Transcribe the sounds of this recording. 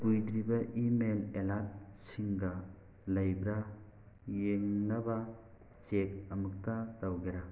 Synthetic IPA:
bujd̪ɾibɐʔimelelat̚siŋɡɐ | lɐjbɾa | jeŋnɐbɐ | t͡ʃek̚ɐmɯk̚tatawɡeɾa

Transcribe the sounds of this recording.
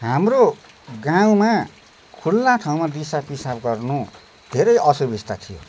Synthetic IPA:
ɦamro | ɡaw̃ma | kʰulːãʈʰaw̃mad̪isapisabɡʌrnu | d̪ʱeɾʌjʌsubist̪at̪ʰijo̰

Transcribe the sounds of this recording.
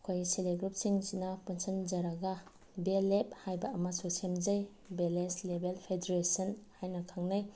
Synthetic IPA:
kʰojseleɡɾup̚siŋzinɐpunsʰɐnd͡ʒɐɾɐɡa | belep̚hajbɐːmɐsusemzaj | beleslebelpʰedeɾesɐnhajnɐkʰaŋnaj

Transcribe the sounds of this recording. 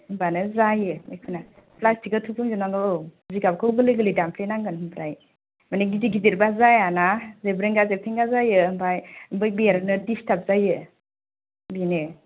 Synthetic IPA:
mbanɯzajɯmekʰɯna | plastikɯtʰupʰuŋzɯnaŋɔziɡabkʰɯwɡɯlɯɡɯlɯdampʰlenaŋɡɯnhɯmpʰɾaj | maneɡidiɡidiɾbazajanazebɾeŋɡazep̚tʰeŋɡazajɯːmbajmbɯj̚biaɾnɯdistʰap̚zajɯ | bine

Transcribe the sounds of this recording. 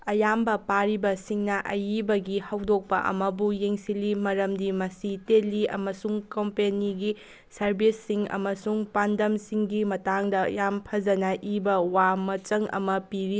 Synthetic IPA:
ɐjambɐpaɾibɐsiŋnɐʔɐjibɐɡihɐwdok̚pɐ̰ʔɐ̰mɐbujeŋsilimɐɾɐmdimɐsiteliɐ̰mɐsuŋkɐmpeniɡi | sɐɾbʱisːiŋɐ̰mɐsuŋpandɐmsiŋɡimɐtaŋdɐjampʰɐd͡ʒɐnɐʔibɐwamɐt͡ʃɐŋɐ̰mɐpiɾi

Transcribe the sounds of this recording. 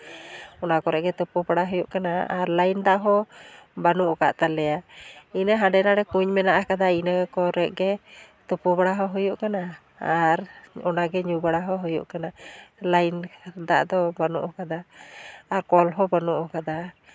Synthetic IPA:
ɔnakɔɾɛʔɡɛt̪ɔpɔbaɽaɦɔjuʔkanaaɾlajnd̪aʔɦɔbanuʔka̰ʔt̪alɛjainəɦãɖɛnaɽɛkuɲmɛnaʔakad̪ainəkɔɾɛʔ̚ɡɛ | t̪upɔbaɽaɦɔɦujuʔkana | aɾɔnaɡɛɲubaɽaɦɔɦɔjṵʔkanalajnd̪a̰ʔd̪ɔbanṵʔɔkad̪aː | ɾkɔlɦɔbanuʔɔkad̪a

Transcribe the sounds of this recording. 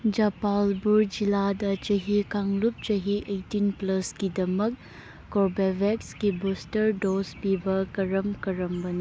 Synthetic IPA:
d͡ʒɐpalbuɾd͡ʒiladɐt͡ʃɐɦikaŋlup̚t͡ʃɐɦiʔejtinplɐskidɐmɐkː | ɔɾbebʱekskibustɐɾdospibɐkɐɾɐmkɐɾɐmbɐnɐ

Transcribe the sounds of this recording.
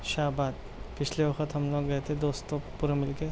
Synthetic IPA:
ʃaːbaːd̪̚ | pɪt͡ʃʰleʋɐxət̪ɦɐmloːɡːɐet̪ʰed̪oːst̪opuɾamɪlke

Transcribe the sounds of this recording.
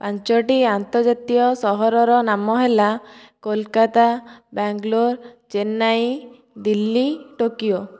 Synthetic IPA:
paɲt͡ʃɔʈiant̪ɔɾd͡ʒat̪ijɔsɔɦɔɾɔɾɔnamɔɦelakolkat̪abaŋɡloɾd͡ʒenaj | d̪ilːiʈokijo

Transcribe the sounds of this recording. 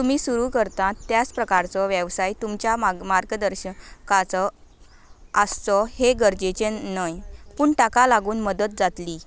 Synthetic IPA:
t̪umiːsuɾukəɾt̪ãt̪jat͡spɾəkaɾt͡sɔʋjəʋsajt̪umt͡ɕjamaɾɡəd̪əɾɕəkat͡sɔ | əst͡sɔheɡəɾd͡ʑet͡ɕenəjpuːɳʈakalaɡuːnməd̪ət̪̚d͡zat̪liː

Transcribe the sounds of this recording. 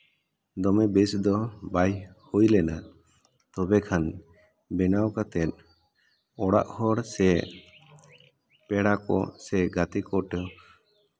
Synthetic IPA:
d̪ɔmɛbɛsd̪ɔbajhujlɛna | t̪ɔbɛkʰan | bɛnawkat̪ɛt̪̚ | ɔɽa̰ʔhɔɽsɛ | pɛɽakɔ̰sɛɡat̪ikɔʈɔ

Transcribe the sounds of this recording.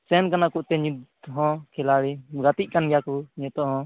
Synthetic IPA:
sɛnkanakuʔt̪ɛɲi | ɦɔ̃kɛlaɽiɡat̪iʔ̚kanɡɛjakuɲɛt̪ɔɦɔ̃

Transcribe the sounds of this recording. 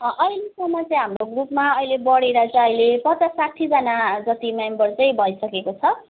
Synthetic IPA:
ʔʌjlesomat͡sʌ̃ĩɦamroɡrupmaʌjlebʌɽeɾʌt͡sʌ̃ʌjlepʌt̪ʌsaʈʰid͡zʌnad͡zʌt̪imembʌrt͡sʌj̃bʱʌjsʌkekot͡sʰʌ

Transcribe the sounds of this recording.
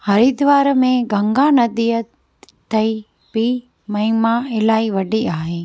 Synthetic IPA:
hɐɾid̪ʋaːɾmẽɡɐ̃ŋɡaːnɐd̪ijə | t̪ʰɐi | pi | mɐɦɪmãɪlaːiʋɐɖiaːɦeː

